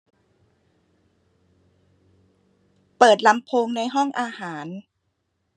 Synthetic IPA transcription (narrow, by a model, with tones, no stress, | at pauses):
pɤː˨˩t̪̚la˧mpʰoː˧ŋna˧jɦɔ˥˩ŋʔaː˧haː˩˦n